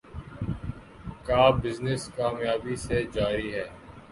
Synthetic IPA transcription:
kaːbɪznɪskaːmjaːbised͡ʒaːɾiɦɛː

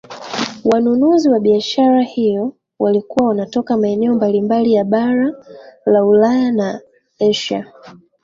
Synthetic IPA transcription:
wanunuziwaɓiaʃaɾahijɔ | walikuwawanatɔkamaɛnɛɔmbalimbalijaɓaɾalaulajana | ɛʃa̰

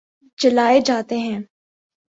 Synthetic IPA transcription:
t͡ʃɐlaːed͡ʒaːt̪eɦɛ̃ː

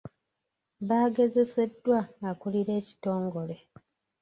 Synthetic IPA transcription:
βaːɡe̞ze̞se̞dːwaŋɡakuliɾe̞ːci̥to̞ːŋɡo̞le̞

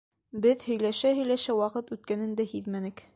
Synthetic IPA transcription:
bɘðhɵ̆jlæʃæhɵ̆jlæʃæwɑqɤt̪ʉt̪̚kænɘ̆nd̪æhiðmænɘk

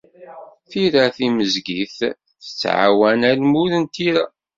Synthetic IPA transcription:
θiɾaθiməzɡiθ | θə̥t͡sːʕa̰wænælmuɾənt̪iɾa

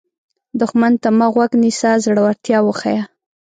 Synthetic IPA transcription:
d̪ʊxmant̪amaɣwaɡnisazɽəwaɾt̪jɑwəxaja

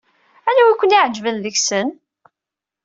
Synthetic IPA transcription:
ænæwækʷːəniʕəd͡ʒvənðəçsən

